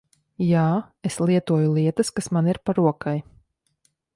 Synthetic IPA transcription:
jaː | eslˠiɛt̪uɔjulˠiɛt̪əskasmaniɾpaɾuɔkaj

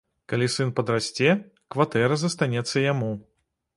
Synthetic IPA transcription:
kalʲisɨnpɐd̪ɾasʲt͡sʲɛ | kvat̪ɛɾɐzɐst̪anʲɛt̪sːɐjamu

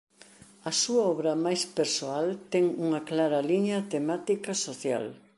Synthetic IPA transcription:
ɐsuɐɔβɾɐmajspeɾsoalt̪ɛŋuŋɐklaɾɐliɲɐt̪emat̪ikɐsoθja̰l

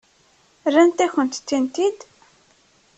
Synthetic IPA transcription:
rːænt̪æçənt̪t̪ːint̪id̪

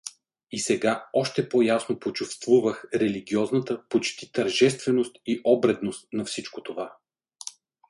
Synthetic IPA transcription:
isɛɡaɔʃt̪ɛpɔjasnopot͡ʃufst̪vuvəxɾɛliɡʲiɔznət̪əpot͡ʃt̪it̪ɐɾʒɛst̪vɛnost̪iʔɔbɾɛd̪nost̪nɐfsit͡ʃkot̪ova

